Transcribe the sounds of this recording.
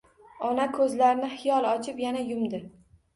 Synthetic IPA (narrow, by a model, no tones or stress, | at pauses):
ɒnakʰɵzlaɾɪnɪhɪjɒlˠɒt͡ʃʰɪpjanajʊmd̪ɪ